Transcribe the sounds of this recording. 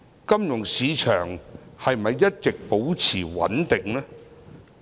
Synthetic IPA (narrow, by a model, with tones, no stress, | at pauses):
kɐ˥mjʊ˨˩ŋsiː˨˧t͡ʃʰœː˨˩ŋhɐ˨j̩˨mɐ˨jːɐ˥t̚t͡sɪ˨k̚po˨˥wt͡sʰiː˨˩wɐ̰˨˥nt̪ɪ˨ŋlɛː˥